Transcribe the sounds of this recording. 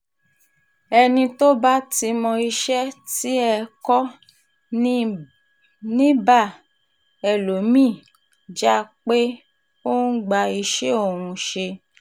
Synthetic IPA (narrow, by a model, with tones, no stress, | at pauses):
ɛ˧nĩ˧to˦ba˦ti˧mɔ̃˧i˧ʃɛ˦ti˨˦ɛ˧kɔ˦ | nĩ˦ba˦˨ | ɛ˨lo˨˦mĩ˦˨ | d͡ʒa˦k͡pe˦ | õ˦ɡ͡ba˧i˧ʃe˦o˦˨ɾũ˧ʃe˧